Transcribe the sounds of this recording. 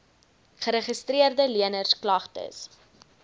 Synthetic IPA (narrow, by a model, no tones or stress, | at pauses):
χəɾəχəstriərdəliənərsklɐχtə̰s